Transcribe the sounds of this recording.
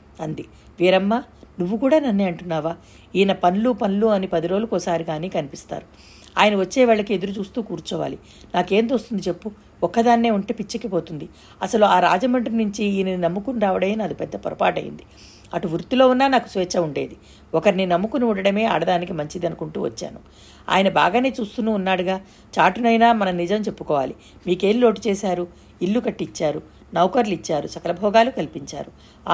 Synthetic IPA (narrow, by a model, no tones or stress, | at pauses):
ɐnd̪i | ʋiːɾɐmːaːnuʋːukuːɽaːnɐnːeːɐɳʈunːaːʋaː | iːnɐpɐnlupɐnluɐnipɐd̪iɾo̞ːlukɔsaːɾiɡaːniːkɐnipist̪a̰ːɾu | aːjɐnɐʋɐt͡ʃːɛːʋaːɭːɐkie̞d̪uɾut͡ʃuːst̪uːkuːɾt͡ʃɔːʋa̰ːli | naːke̞ːnt̪oːst̪und̪it͡ʃe̞pːu | ɔkːɐd̪aːnːe̞ːuɳʈeːpit͡ʃːɐkːipo̞ːt̪und̪i | ɐsɐluaːɾa̰ːd͡ʒɐmɐɳʈɐnuɲt͡ʃiiːnɐninɐmːukunɾaːʋɐɽɐmeːnɐd̪ipɛd̪ːɐpɔ̰ɾɐpaːʈɐjḭnd̪i | ɐʈuʋuɾt̪ilo̞ːunːaːnaːku̥sʋɛːt͡ʃːɐuɳɖeːd̪i | ɔkɐɾininɐmːukuniuɳɽɖɐɽɐme̞ːɐ̰ɽɐd̪aːnikimɐɲt͡ʃid̪ɐnukuɳʈuːʋɐ̰t͡ʃːa̰ːnu | a̰ːjɐnɐba̰ːɡaːne̞ːt͡ʃuːst̪unuːnːaːɽuɡaː | t͡ʃaːʈunɐjnaːmɐnɐnid͡ʒɐmt͡ʃe̞pːukɔːʋa̰ːli | miːke̞ːlilo̞ːʈit͡ʃɛːsaːɾu | ilːukɐʈːit͡ʃːaːɾu | nɐwkɐɾlit͡ʃːaːɾusɐkɐlɐbʱɔːɡaːlukɐlipiɲt͡ʃa̰ːɾu